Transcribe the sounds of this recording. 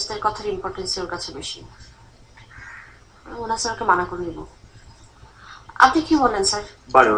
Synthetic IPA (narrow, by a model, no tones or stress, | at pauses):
st̪eɾkɔt̪ʰaɾimpɔɾʈensioɾkat͡ɕʰebeʃḭ | onasaɾakemanakoɾenibo | a̰pnikibolːensaɾbaɾo